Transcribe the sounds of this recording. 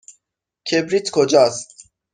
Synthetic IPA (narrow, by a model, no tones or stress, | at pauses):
kʰebɾit̪kʰod͡ʒɒːst̪